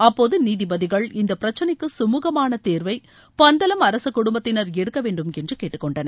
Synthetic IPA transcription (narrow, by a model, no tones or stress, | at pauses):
ɐpːoːðɯniːðɪbɐðɪɣɐɭɪnd̪ɐpɪɾɐt͡ʃːɐnɐɪkːɯsʊmuːɣɐmaːnɐt̪eːɾʋɐɪ | pɐnd̪ɐlɐmɐɾɐsɐkːʊɽʊmbɐt̪ːɪnɐɾɛɽɯkːɐʋeːɳɖɯmɛndrɯkeːʈːɯkːɔɳɖɐnɐ